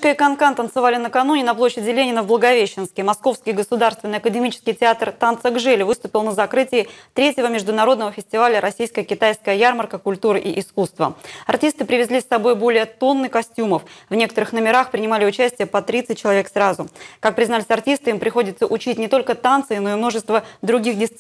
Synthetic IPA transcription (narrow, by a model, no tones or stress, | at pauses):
kəjəkɐnkant̪ːənt̪sɨvalʲɪnəkɐnunʲɪnɐplˠoɕːɪdʲɪlʲenʲɪnəvblˠəɡɐvʲeɕːɪnskʲɪjmɐsko̞fskʲɪjɡəsʊd̪arst̪vʲɪnːɨjɐkədʲɪmʲit͡ɕɪ̥skʲɪjtʲɪat̪rt̪ant̪səɡʐɛlʲɪvɨst̪ʊpʲɪlˠnəzɐkɾɨtʲɪɪt̪ɾʲetʲjɪvəmʲɪʐd̪ʊnɐɾo̞d̪nəvəfʲɪsʲtʲɪvalʲəɾɐsʲijskəjəkʲɪt̪ajskəjəjarmərkəkʊlʲt̪uɾɨʔiʔɪskust̪və̰ɐrtʲist̪ɨpɾʲɪvʲɪzʲlʲisːɐbo̞jbo̞lʲɪjət̪o̞nːɨkɐsʲtʲuməfvnʲe̞kə̥t̪əɾɨxnəmʲɪɾaxpɾʲɪnʲɪmalʲɪʊt͡ɕæsʲtʲɪjəpɐt̪ɾʲit̪sɨtʲt͡ɕːɪlˠɐvʲeksɾazʊkak̚pɾʲɪznalʲɪsʲɐrtʲist̪ɨimpɾʲɪxo̞dʲɪt̪səʔʊt͡ɕitʲnʲɪt̪o̞lʲkət̪ant̪sɨɪno̞ɪmno̞ʐɨst̪vəd̪ɾʊɡʲixdʲɪt̪